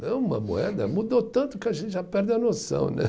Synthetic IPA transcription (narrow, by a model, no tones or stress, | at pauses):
nɐ̃w̃ũmɐ̰mṵɛd̪ɐmud̪ot̪ɐ̃nt̪ʊkɪaʒẽnt̪ɪʒapɛɾd̪ɪɐnosɐ̰̃w̃nɛ̰